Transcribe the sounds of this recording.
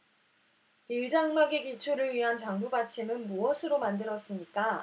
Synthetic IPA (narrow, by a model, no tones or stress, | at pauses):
iɭd͡ʑaŋmaɡekit͡ɕʰoɾɯɭɥiɦant͡ɕaŋbubat͡ɕʰimɯnmuʌsʰɯɾomandɯɾʌs͈ɯmɲik͈a